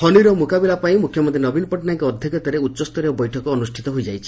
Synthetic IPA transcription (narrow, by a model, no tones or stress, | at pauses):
hɔniɾɔmukabilapaĩmukʰjɔmɔ̃nt̪ʰinɔbinpɔʈnaŋkɔːd̪ʱjɔkɔt̪aɾeutːʃɔst̪ɔɾeɔbɔjʈʰɔkɔːnusʈʰit̪ɔɦojd͡ʒajt͡ʃʰi̥